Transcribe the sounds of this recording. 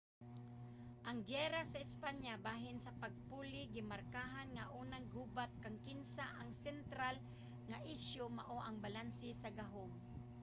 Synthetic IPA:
ʔɐŋɡɛɾasaɪspaɲjabaːɦɪnsɐpaɡ̚puːlɪɡɪmaɾkaːɦanŋaʔuːnaŋɡuːbat̪̚kaŋkɪnsaʔaŋsɛnt̪ɾal | ŋaʔɪʃjomaʔoʔɐŋbalansɪsaɡaɦoŋ

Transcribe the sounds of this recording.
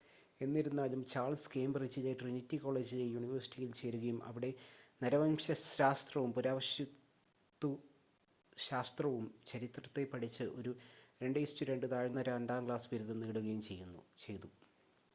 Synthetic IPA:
e̞nːiɾunːaːlumt͡ɕaːrlɭskeːmbɐrit͡ɕileʈrinitːiko̞ːɭe̞ːd͡ʑilejuɳiʋɐrsi̥ʈʰːijilt͡ɕe̞ːɾuɣɐjumʔɐ̰ʋiɽe̞nɐɾɐʋɐnɕɐɕaːst̪rɐʋumpuɾaːʋɐɕjɐ | t̪ːu | ɕaːst̪rɐʋumt͡ɕɐɾit̪rɐt̪ːe̞pɐʈit͡ɕːɨʔo̞ɾuɾe̞ɳɖɨistuɾeɳɖɨt̪aːɻɐnːɐɾaːnɖaːmkɭaːsʋiɾuðɐmniːɽuɣɐjumt͡ɕe̞jːunːṵt͡ɕe̞jðu

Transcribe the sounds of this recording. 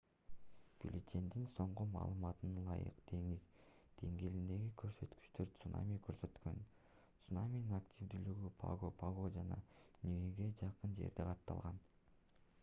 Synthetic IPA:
b̥ṵlʲit͡ʃ̪ʲe̞nd̪inso̞ɴqumɑ̰ːlˠɯmɑt̪ɯnɑlˠɑjɯ̰qd̪̥e̞ŋiz | d̪̥e̞ŋɡe̞lind̪e̞ɡikʰø̞ɾsø̞t̪ky̥t͡ʃt̪øɾt̪suna̰mʲikʰøɾsø̞t̪kø̞̰n | t̪sunamʲininaktʲivd̪yːlyɡypʰa̰ɡopʰaɡod͡ʒɑnɑ̰nʲieɡe̞d͡ʒɑqɯnd͡ʒe̞̰ɾd̪eqʰɑt̪ːɑ̰lˠʁɑn

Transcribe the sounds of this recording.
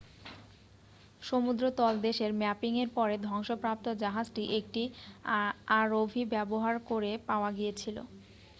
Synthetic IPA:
ʃomud̪ɾot̪ɔld̪eʃeɾmɛpiŋeɾpɔɾed̪ʱɔŋʃopɾap̚t̪od͡ʑaɦad͡ʑʈiʔek̚ʈi | aɾobʱibɛboɦaɾkoɾepaoaɡijet͡ɕʰilo̰

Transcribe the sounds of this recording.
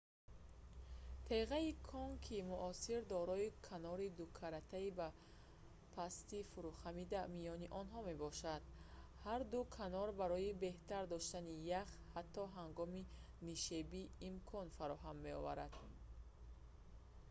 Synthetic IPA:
t̪ʰeʁaikʰɔŋkʰimuʔɔsiɾd̪ɔɾɔikʰanɔɾid̪ukʰaɾat̪ʰaiba | pʰast̪ifuɾuχamid̪amijɔniʔɔnɦɔme̞bɔʃad̪̥haɾd̪ukʰanɔɾbaɾɔibe̞ht̪aɾd̪ɔʃt̪anijaχhat̪ːɔɦaŋɡɔmi | niʃebiːmkʰɔnfaɾɔɦamːe̞ɔ̰va̰ɾa̰d̪̥

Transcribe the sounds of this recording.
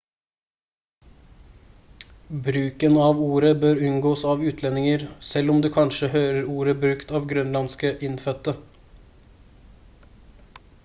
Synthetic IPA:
bɾʉːkənɑːʋuːɾəbøːɾʉnɡoːsɑːʋʉːt̪ʰlɛnɪŋəɾsɛlɔmd̪ʉːkʰɑnʃəhøːɾəɾuːɾəbɾʉkt̪ɑːʋɡɾœnlɑnskəʔɪnfœt̪ːə

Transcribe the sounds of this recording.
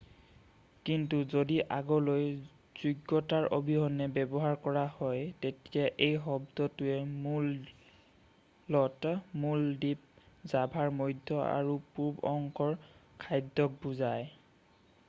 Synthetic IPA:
kintuzodiʔaɡɔloj | z̥uɡɔtaɹʔobʱiɦɔnɛbɛbɔɦaɹkɔɹahɔjtetiaʔejɦɔbdɔtʊɛmul | ɔtmuldip̚zabʱaɹmojdʱːɔa̰ɹupuɹbɔŋkʰɔɹkʰajdːɔk̚buzaj

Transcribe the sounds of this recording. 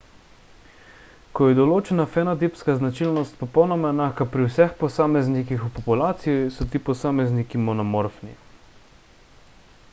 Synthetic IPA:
kɔjɛd̪ɔloːt͡ʃɛnafɛnad̪ipskaznat͡ʃilnɔst̪̚pɔpɔwnɔmanaːxkapɾiwsɛxpɔsaːmɛznikixupɔpulaːt̪sijisɔt̪iːpɔsaːmɛznikimɔnɔmɔɾfnḭ

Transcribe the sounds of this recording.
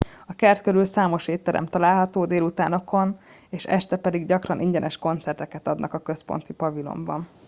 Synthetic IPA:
ɒkɛrt̪køɾylsaːmo̞ʃeːt̪ːɛɾɛ̰mt̪ɒlaːlɦɒt̪oːd̪eːlut̪aːno̞kʰo̞n | eːʃɛ̰ʃt̪ɛpɛd̪iɡɟɒkrɒnʔiɲɟɛnʔɛʃko̞nt̪sɛrt̪ɛkɛt̪ɒd̪nɒkɒkø̞spo̞̰nt̪ipɒvilo̞̰mbɒn

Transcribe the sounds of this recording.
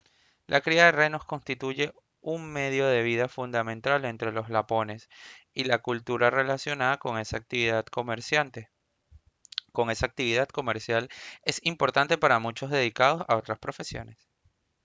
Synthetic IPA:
lʔakɾiaðerejno̞sko̞nst̪it̪uʝe̞ | uŋme̞ðjo̞ð̞e̞β̞iðafund̪amẽnt̪ale̞nt̪ɾe̞lo̞zlapo̞ne̞silakult̪uɾare̞lasjo̞naðako̞ŋe̞saːk̚t̪iβiðaðkomeɾsjant̪e | ko̞ŋe̞saːk̚t̪iβ̞iðad̪ko̞me̞ɾsjale̞simpo̞ɾt̪ant̪e̞paɾamut͡ʃo̞zðe̞ðikað̞o̞saot̪ɾaspɾo̞fe̞sjo̞̰ne̞s

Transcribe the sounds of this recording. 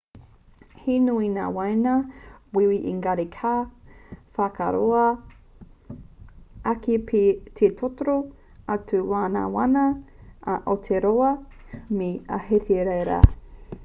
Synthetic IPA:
hinuina̰ːwɐjnɐwiwiʔiŋɡaɾikʰaː | faka̰ɾoɐ | akipʰit̪ʰet̪ʰotoɾo | atʰuwaːna̰wa̰nɐ | ʔot̪ʰeɾoɐmiɐ̰hetʰeɾejɾa̰

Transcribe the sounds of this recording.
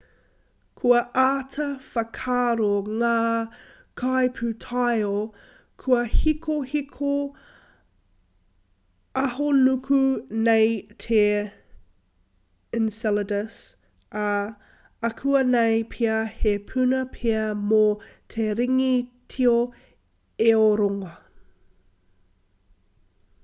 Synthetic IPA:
kʰuɐʔaːtʰɐfɐkʰaːɾoŋaː | kʰajpʰʉtʰajo | kʰuɐhikʰohikʰo | ɐɦonukʰunejtʰe | ɪnsɛlədəs | ɐ | ɐkʰuɐnejpʰiɐhepʰʉnɐpʰeɐmotʰeɾiŋitʰio | eoɾoŋɐ

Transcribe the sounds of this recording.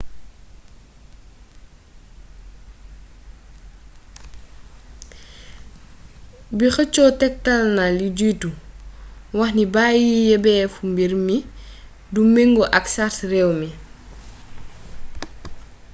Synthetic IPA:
bixət͡ʃːɔtɛk̚talnɐliɟujtu | wɐxnibaːjijɛbɛːfumbiɾmi | dumeŋɡɔʔɐksatrɛwmi

